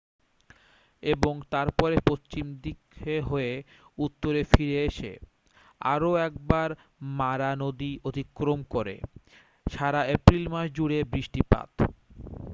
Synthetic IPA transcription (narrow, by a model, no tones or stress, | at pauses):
eboŋt̪aɾpɔɾepost͡ɕimd̪ikʰːeɦoe | ut̪ːoɾefiɾeeʃḛ | a̰ɾoɛk̚baɾ | maɾanod̪iod̪ʱikːɾomkoɾḛ | ʃaɾaepɾilmaʃd͡ʑuɽebɾiʃʈipa̰t̪